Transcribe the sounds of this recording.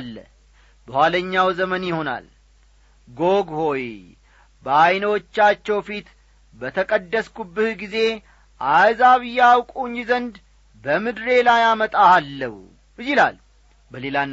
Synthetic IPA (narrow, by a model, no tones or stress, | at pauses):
lːə̰ | bəhwʷaləɲːawzəmənjɪho̞na̰l | ɡoɡho̞j | bəajnəwot͡ʃːat͡ʃːɛwfit̪ | bət̪ʰəkʼəd̪ːəskubːɨhɡize̞ | ʔazaβɨjːawkʼuɲːizənd̪ | bəmɨd̪ɾe̞lajamət̪ʼaːlːəhu | jɪla̰l | bəle̞lan